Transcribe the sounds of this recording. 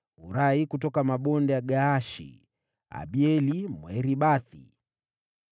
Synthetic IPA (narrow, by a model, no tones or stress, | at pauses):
uɾaikutɔkamaɓɔndɛjaɡaːʃḭ | a̰ɓiɛlimwɛɾiɓaθḭ